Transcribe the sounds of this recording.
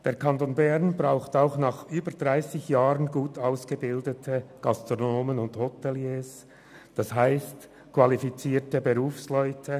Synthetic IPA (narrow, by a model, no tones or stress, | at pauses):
d̥eːɐʁkʰɑntonbɛʁnbʁaʊxtaʊxnɑːχʔyːbəd̥ʁaɪsɪçjaːʁənɡuːtʰaʊsɡ̥əbɪldətʰəɡ̥ɑstʁ̥onoːmənʊndhotɛljeːs | d̥ɑshaɪst | kʰv̥ɑlifit͡siːtəbəʁuːfslœʏtʰə